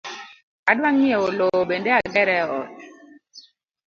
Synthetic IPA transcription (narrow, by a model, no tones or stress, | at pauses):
adwaŋːieolooɓendeaɡɛɾɛɔ̰t̚